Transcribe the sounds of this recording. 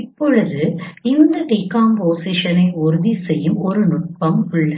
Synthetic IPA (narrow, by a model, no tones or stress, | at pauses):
ɪpːɔɻɯðɯɪnd̪ɐʈikːaːmpoːsɪʂɐnɐɪʊɾɯðisɛjːɯmɔɾɯnʊʈ̚pɐmʊɭːɐ